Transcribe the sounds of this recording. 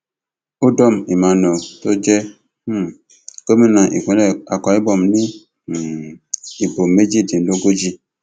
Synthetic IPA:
o˦dɔ˦˨mi˨ma˨nɔ˨to˦d͡ʒe˦ | kə˦mi˦na˨ʔḭ˨kʷe˨˦la̰˨kʷa˨i˦bɔ˨mni˦˨ | i˨bo˨m˨me˦d͡ʒi˦˨di˨n˨lo˦ɡo˦d͡ʒi˦

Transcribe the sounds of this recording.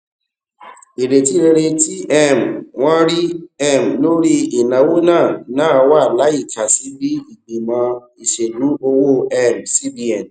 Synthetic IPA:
e˨ɾe˨ti˦ɾe˧ɾe˧ti˦ɛ˦˨mwã˦ɾi˦ɛ˦˨m˨lo˦ɾi˦e˨nã˨wo˦nãː˦˨nãː˦wa˦˨la˨˦i˦˨ka˨si˦bi˦i˨ɡ͡bĩ˨mã˧˦ | i˨ʃe˨lũ˨˦o˧wo˦ɛ˦˨msi˦bi˦ɛ˦˨n˨

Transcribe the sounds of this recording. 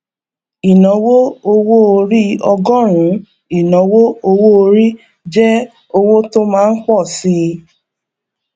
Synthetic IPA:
i˨nɔ̃˨˦wo˦o˧wo˦o˧ɾi˦ɔ˧ɡɔ˦˨ɾ̃ũ˨˦ | i˨nɔ̃˨˦wo˦o˧wo˦o˧ɾi˦ | d͡ʒɛ˦ | o˧wo˦to˦mãː˦n̩˦k͡pɔ˦˨si˧

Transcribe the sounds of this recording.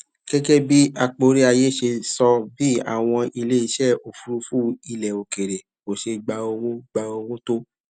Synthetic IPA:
kɛ˦ɡɛ˦bi˦a˧k͡po˧˦ɾi˦a˧je˦ʃe˧sɔ˧bi˦a̰˦˨w̃ɔ̃˧ʔi˧le˦i˧ʃɛ˦˨o˨fu˨˧ɾu˦fu˦i˧lɛ˨o˨ke˨ɾe˨ | o˨ʃe˧ɡ͡ba˧o˧wõ˦ɡ͡ba˧o˧wõ˦to˦

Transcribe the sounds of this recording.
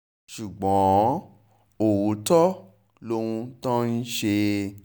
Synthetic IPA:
ʃu˨ɡ͡bɔ̃˨˦ | o˨wu˨˦tɔ˦ | lo˦wũ˧tɔ̃˦n̩˦ʃe˧

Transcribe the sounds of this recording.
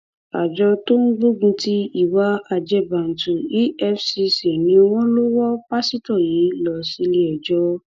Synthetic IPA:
a˨d͡ʒɔ˧to˦n̩˦ɡ͡bo˦ɡũ˧ti˦i˦˨wa˨˦a˧d͡ʒɛ˦˨ba˨n̩˨tu˨i˦ɛ˦˨fsi˧se˨nĩ˨˦o˧w̃ɔ̃˦lo˦wɔ˦pa˦si˦tɔ˦˨ji˨˦lɔ˧˨si˧˦le˦ɛ˨d͡ʒɔ˧

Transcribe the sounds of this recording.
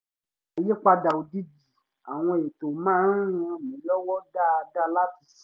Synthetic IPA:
a˨je˦k͡pa˧da˨o˨di˦d͡ʒi˨ | a˨w̃ɔ̃˧e˨to˨mãː˦n̩˦ũ˧˦mĩ˨˦lɔ˦wɔ˦da˦˧da˦la˦ti˨˦s

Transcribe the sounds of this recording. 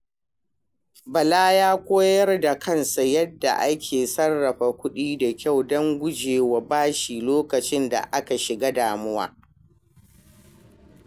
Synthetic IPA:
bɐ˨laː˦jaː˦kʷoː˦jɐ˦rda˨kɐ˦˨nsa˨jɐ˦dːa̰˨ʔa˦kʲʰeː˨sɐ˦rːɐ˨ɸa˨kʷʊ˦ɗiː˦da˨kʲa˦˨wdɐ˦ŋɡʷʊ˦d͡ʒeː˨wa˨baː˦ʃiː˨loː˦kɐ˨t͡ʃɪ˦nda̰˨ʔa˦ka˨ʃɪ˨ɡa˦daː˨mʊ˦wa̰ː˦

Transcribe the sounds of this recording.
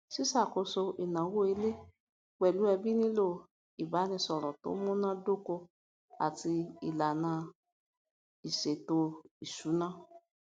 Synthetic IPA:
si˦sa˦˨ko˧so˧ʔi˨nã˨˦wo˦i˧le˦ | wɛ˨lu˨˦ɛ˧bi˦nĩ˦lo˦˨ | i˨ba˨˦nĩ˧sɔ˨ɾɔ˨to̰˨˦mũ˦nã˦do˦ko˧ | a̰˨ti˧i˨la˨nã˧ | i˨ʃe˨to˧i˨su˨˦nã˦

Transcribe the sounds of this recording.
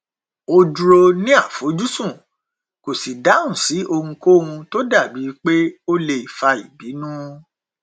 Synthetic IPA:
o˧du˧ɾo˧nĩ˦a˦˨fo˨˦d͡ʒu˦sũ˦˨ | ko˨si˨da˨˦ũ˦˨si˨˦ʔo˧hũ˧ko˦˨ũ˧to˦da˦˨bi˨˦k͡pe˦o˦le˧i˨fa˧i˨bi˨˦nũ˦

